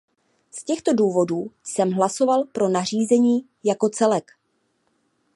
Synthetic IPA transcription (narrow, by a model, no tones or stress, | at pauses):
scɛxt̪o̞duːvo̞duːsɛmɦlaso̞valpɾo̞nar̝iːzɛɲiː | jako̞t͡sɛlɛk